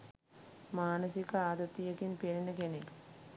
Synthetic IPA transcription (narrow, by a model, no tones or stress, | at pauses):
maːnɐsikɐaːd̪ɐt̪ːijɐkinpeɾinɐkenelu